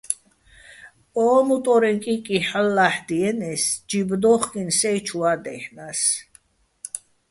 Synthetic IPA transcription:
ɔːmut̪ʼɔɾɛŋkʼikʼiħəlːaħd̪iɛnɛsd͡ʒibd̪ɔχkʼinsɛjt͡ʃʰuad̪ɛ̰hnas

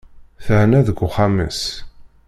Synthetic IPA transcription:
θəhnæðəɡʷːʊχamə̰s

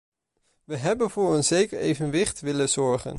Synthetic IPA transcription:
ʋəɦɛbənvʊːɹənzejkəɹḛjvənʋɪχtʋɪləzɔɹχə̰n

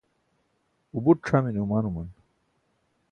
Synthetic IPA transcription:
ubuʈʂʰaminumanuman

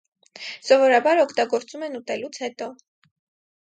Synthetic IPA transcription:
sɔvɔɾɑbɑɾɔkʰt̪ɑɡɔɾt͡sumɛnut̪ɛlut͡sʰhɛt̪ɔ

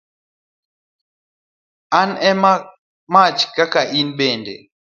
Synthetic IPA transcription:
anɛma | mat͡ʃkakaʔinɓɛndɛ̰

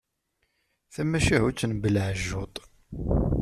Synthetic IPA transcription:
θæmæʃiɦut͡sːənbəlʕʒːot̪ˤ

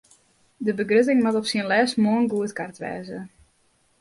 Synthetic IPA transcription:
dəbəɡrøt̬ɪŋmatɔpsiənlɛːsmoənɡuətkartʋɛ̰ːzə

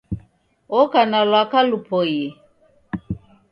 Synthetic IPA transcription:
ɔkanalwakalupʰɔje

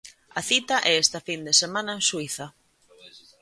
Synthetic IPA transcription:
ɐθit̪ɐʔɛest̪ɐfind̪esemãnɐensuiθɐ

